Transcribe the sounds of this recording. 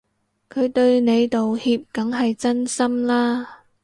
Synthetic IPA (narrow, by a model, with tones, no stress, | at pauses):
kʰɵ˨˧ɥt̪ɵ˧ɥne˨˧jt̪o˨whiː˧p̚kɐ˨˥ŋɦɐ˨jt͡sɐ˥nsɐ˥mlaː˥